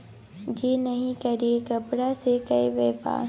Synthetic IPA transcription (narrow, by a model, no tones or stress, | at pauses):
d͡ʒeːnɐɦĩkɐɾiekɐpɽasekɐeʋeːpa̰ː